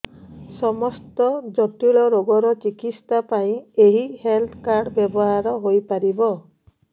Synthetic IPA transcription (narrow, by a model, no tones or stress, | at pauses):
sɔmɔst̪ɔd͡ʒɔt̪iɭɔɾoɡɔɾɔt͡ʃikitst̪apaĩeɦihelt̪ʰkaɾɖbjɔbɔɦaɾɔɦojpaɾibɔ